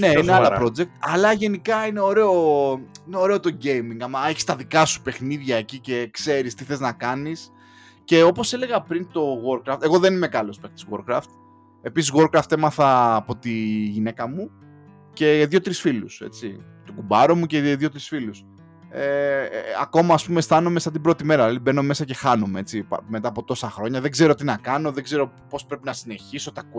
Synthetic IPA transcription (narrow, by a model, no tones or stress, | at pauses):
ne̞ineɐlɐpɾo̞d͡ze̞k̚t̪ɐlɐʝe̞nikɐine̞o̞ɾe̞o̞ineo̞ɾe̞o̞t̪o̞ɟe̞jmiŋɡɐmɐeçi̥st̪ɐðikɐsu̥pe̞xniðʝɐecice̞kse̞ɾist̪iθe̞znɐkɐnis | ce̞o̞po̞se̞le̞ɣɐpɾint̪o̞ɣo̞ɾkɾɐft̪e̞ɣo̞ðe̞nimekɐlo̞spext̪i̥zɣo̞̰ɾkɾɐ̰ft̪ | e̞pisizɣo̞ɾkɾɐft̪emɐθɐːpo̞t̪iʝine̞kɐmu | ce̞ðjo̞t̪ɾisfiluse̞̰t͡sit̪oɡubɐɾomuceðʝo̞t̪ɾisfilus | eɐ̰ko̞mɐːspume̞st̪ɐnomesɐt̪ibɾo̞t̪ime̞ɾɐlɐlibe̞no̞me̞sɐce̞xɐnomee̞t͡sipɐ̰me̞t̪ɐːpo̞t̪o̞sɐxɾo̞ɲɐðe̞ɡze̞ɾo̞t̪inɐkɐno̞ðe̞ɡze̞ɾo̞po̞spɾe̞pinɐsine̞çiso̞t̪ɐk